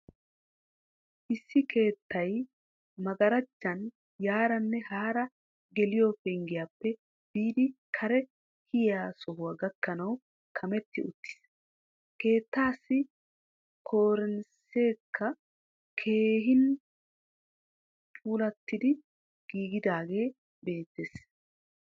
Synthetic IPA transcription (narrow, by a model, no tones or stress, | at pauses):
ʔɪsːɪkʰe̞ːt̪ːɐj | mɐɡɐɾɐt͡ʃːɐn | jaːɾɐnːɛhaːɾɐ | ɡɛlɪjɔfɛŋɡɪjaːpːɛ | b̥iːd̪ɪkʰɐɾɛ | hɪjjaːsɔhʊwaːɡɐkːɐnɐw | kʰɐmɛt̪ːɪʊt̪ːɪ̥s | ke̞ːt̪ːaːsːɪ | kʰo̞ːɾɛnse̞ːkʰːɐ | kʰe̞ːɦɪn | pʼuːlɐt̪ːɪd̪ɪ | ɡ̥iːɡɪd̪aːɡe̞ː | be̞ːt̪ːeːs